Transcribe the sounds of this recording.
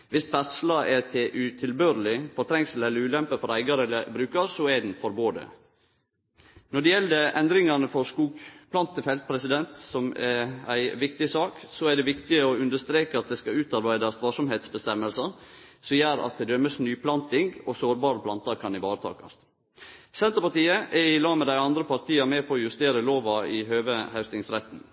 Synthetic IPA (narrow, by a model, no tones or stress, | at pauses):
ʋɪst̪ʋæɾslɑɛt̪ʰeʔʉt̪ʰɪlbøːɾəlɪfɔɾt̪ʰɾɛŋsəl̩ɛlːəɾʉːlɛmpəfɔɾæɪɡɑɾɛlːəbɾʉːkɑɾsɔɛd̪n̩fɔɾboːd̪ə̰ | nɔɖɛjɛld̪əʔɛnd̪ɾɪŋɑnəfɔɾskuːɡpʰlɑnt̪əfɛlt̪̚pʰɾɛsɪd̪ɛnt̪sɔmɛæɪʋɪkt̪ɪsɑːksɔæɖɛʋɪkt̪ɪəɔʉnd̪əʂst̪ɾeːkəɑt̪̚d̪ɛskɑʉːt̪ɑɾbæɪd̪ɑst̪ʋɑːʂɔmɦeːt̪sbəst̪ɛmːəlsəɾsɔjæːɾɑ̰t̪̚d̪ɛd̪œməsnyːpʰlɑnt̪ɪŋɡɔsoːɾbɑːɾəpʰlɑnt̪ɑɾkʰɑnɪʋɑːɾət̪ʰɑ̰ːkɑ̰st̪ | sɛnt̪əɾpɑʈ̪iːəʔɛɾɪlɑːmɛd̪æɪɑnd̪ɾəpʰɑɾt̪iːɑmeːpʰɔɔjʉst̪eːɾəloːʋɑɪhøːʋəhæʉst̪ɪŋsɾɛt̪n̩